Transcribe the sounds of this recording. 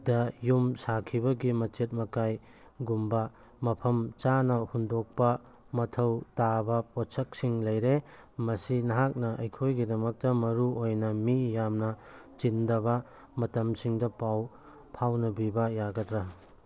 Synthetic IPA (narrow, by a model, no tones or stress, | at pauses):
dɐjumsakʰibɐɡimɐt͡ʃet̚mɐkaj | ɡumbɐ | mɐpʰɐmt͡ʃanɐhundok̚pɐ | mɐtʰɐwtabɐpɔsɐk̚siŋlɐjɾe | mɐsinɐɦak̚nɐʔɐjkʰojɡidɐmɐk̚tɐmɐɾuojnɐmijamnɐ | t͡ʃindɐβɐ | mɐtɐmsiŋdɐpaw | pʰawnɐbibɐjaɡɐtɾɐ